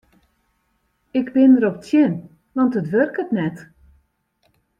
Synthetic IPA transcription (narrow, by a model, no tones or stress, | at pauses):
ɪkbɪnəɾɔpətjɪn | ʋɑntətʋørkətnɛt